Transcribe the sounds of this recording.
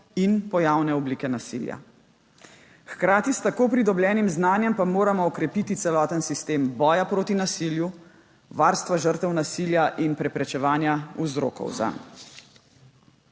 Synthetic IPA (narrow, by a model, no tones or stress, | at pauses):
inpɔjaːwnɛɔblikɛnasḭlja̰ | xkɾaːt̪ist̪akoːpɾid̪ɔblʲjɛːnimznaːnjɛmpamoːɾamɔːkɾɛpit̪it̪sɛlɔːt̪ənsist̪eːmbɔːjapɾoːt̪inasilju | ʋaːɾst̪ʋaʒəɾt̪ɛwnasiljaʔinpɾɛpɾɛt͡ʃɛʋaːnjauzɾo̰ːkɔ̰wza̰n